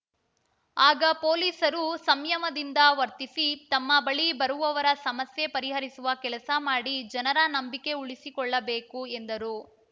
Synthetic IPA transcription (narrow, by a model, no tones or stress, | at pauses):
aːɡɐpoːliːsɐɾusɐmjɐmɐd̪ind̪ɐʋɐɾt̪isit̪ɐmːɐbɐɭibɐɾuʋɐʋɐɾɐsɐmɐsje̞pɐɾiɦɐɾisuʋɐkɛlɐsɐmaːɽid͡ʒɐnɐɾɐnɐmbike̞uɭisikɔɭːɐbeːkue̞nd̪ɐɾu